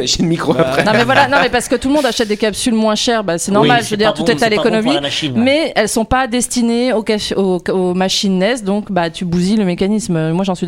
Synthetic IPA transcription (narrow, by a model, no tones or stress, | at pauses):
ʃɛd̪mikχoapχɛnɔ̃mɛvwalanɔ̃mɛpaʁsə̥kət̪ulmɔ̃d̪aʃɛt̪̚d̪ekapsylmwɛ̃ʃɛʁbasɛnɔʁmalʒəvød̪iʁt̪ut̪ɛt̪alekɔnɔmimmɛɛlsɔ̃pad̪ɛst̪ineokaoomaʃinːɛsd̪ɔ̃kbat̪ybuziləmekʲanismømwaʒɑ̃sɥi